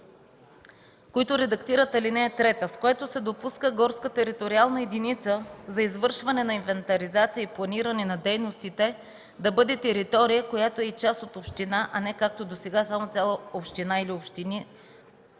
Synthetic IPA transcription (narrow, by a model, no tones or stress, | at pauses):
koit̪oɾɛd̪ɐkt̪iɾət̪ɐlinɛːt̪ɾɛt̪əskoɛt̪osɛd̪opuskəɡɔɾskət̪ɛɾit̪oɾialˠnɐɛd̪init̪səzɐizvɤɾʃvɐnɛnɐinvɛnt̪ɐɾizat̪sijəiplˠɐniɾɐnɛnɐd̪ɛjnost̪it̪ɛ | d̪ɐbɤd̪ɛt̪ɛɾit̪ɔɾijəkojat̪oɛit͡ʃasot̪opʃt̪inaʔɐnɛkak̚t̪od̪osɛɡasamot̪sʲjalˠəopʃt̪inailiopʃt̪ini